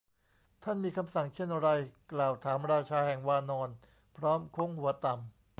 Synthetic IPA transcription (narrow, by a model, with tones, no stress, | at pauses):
t̪ʰa˥˩nmiː˧kʰa˧msa˨˩ŋt͡ɕʰe˥˩nɾa˧jklaː˨˩wt̪ʰaː˩˦mɾaː˧t͡ɕʰaː˧hɛ˨˩ŋwaː˧nɔː˧n | pʰɾɔː˦˥mkʰo˦˥˩ŋhu˩˦ɐt̪a˨˩m